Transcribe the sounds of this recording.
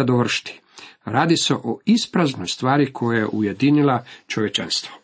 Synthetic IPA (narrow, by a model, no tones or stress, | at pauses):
ad̪oʋr̩ʃt̪i̥ | ɾaːd̪ise̞ʔoispɾaznojst̪ʋaːɾikʰojajḛʔuje̞d̪inilat͡ʃoʋjet͡ʃanst̪ʋo